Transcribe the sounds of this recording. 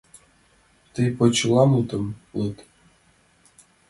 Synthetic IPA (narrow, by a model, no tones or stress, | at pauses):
t̪ɨjpot͡ɕlˠɑmut̪ɤ̆mut̪